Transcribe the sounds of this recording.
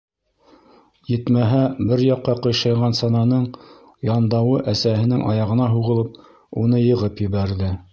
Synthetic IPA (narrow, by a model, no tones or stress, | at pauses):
jɘ̆t̪mæɦæbɘɾjɑqːɑqɤ̆jʃɑjʁɑnsɑnɑnɤɴ | jɑnd̪ɑwɤʔæsæhɘ̆nɘŋʔɑ̰jɑʁɤ̆nɑɦuʁɤ̆lˠɤp̚ | unɤjɤ̆ʁɤpjɘ̆βæɾðɘ